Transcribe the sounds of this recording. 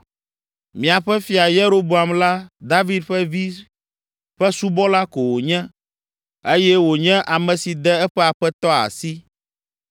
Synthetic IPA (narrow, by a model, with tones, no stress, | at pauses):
mĩ˨a˨ɸɛ˦fi˨a˨je˦ɾo˦bo˨a˨mla˦d̪a˦vi˦d̪ɸɛ˦vi˦ | ɸɛ˦su˦bɔ˦la˦ko˨wo˨ɲɛ̃˦ | e˦jɛ˦wo˨ɲɛ̃˦ʔa˨mɛ̃˨si˨d̪ɛ˦ɛ˦ɸɛ˦a˨ɸɛ˦t̪ɔ˦a̰˨si˦